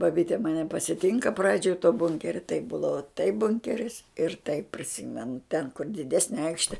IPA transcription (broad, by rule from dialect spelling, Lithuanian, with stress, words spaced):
bɐˈbʲiːtʲɛ mɐˈnʲɛ pɐsʲɪˈtʲɪŋkɐ ˈprɑːd͡ʒʲoːj toː ˈbʊŋʲkʲɛrʲɛ tɐɪp ˈbuːdɐʋɐ tɐɪp ˈbʊŋʲkʲɛrʲɪs ɪr tɐɪp pʲrʲɪˈsʲɪmʲɛnʊ tʲɛn kʊr dʲɪˈdʲæːsʲnʲɛ ˈɐɪkʃʲtʲɛ